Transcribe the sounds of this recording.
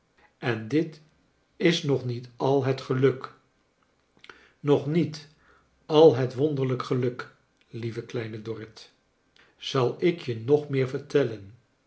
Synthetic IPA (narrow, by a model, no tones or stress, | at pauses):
ɛndɪt | ɪsnɔχnitɑlˠɦətχəlɵk | nɔχnit | ɑlˠɦətʋɔndəɹləkχəlɵk | livəklɛjnədɔrɪt | z̥ɑlˠɪkjənɔχmɪːɹvəɹtɛlən